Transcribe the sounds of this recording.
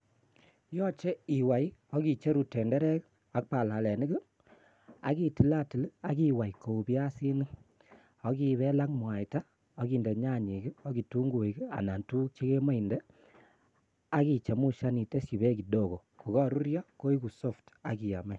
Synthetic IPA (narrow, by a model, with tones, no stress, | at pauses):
jɔ˦t͡ʃe˦i˨wa˨jɔ˦ki˨t͡ʃe˦ɾu˨tɛ˨ndɛ˦ɾɛ˦k | a˦k̚pa˨la˨lɛ˨ni˦kɨ˦ | a̰˨˦ki˨ti˨la˦ti˨la˨˦ki˦wa˨jko˨u˨pi˦a˦si˦nɨ˦ | ɔ˦ki˧βɛ˦la˦kmwa˨jta˦ | ɔ˦ki˨nde˨ɲa˦˨ɲi˨kɨ˦ɔ˦ɡi˨tu˦ŋɡu˨i˨ka̰˨na˨ntu˦t͡ʃe˦ke˦ma˦i˨ndɛ˦ | a˦ki˨t͡ʃe˨mu˦ʃa˦ni˨te˦si˨βe˦ki˨ɗo˦˨ko˨ | ku˨kɔ˦ɾu˦ɾja˦ko˦i˦ku˨so˦˨fta˨ki˨ja̰˨mɛ˦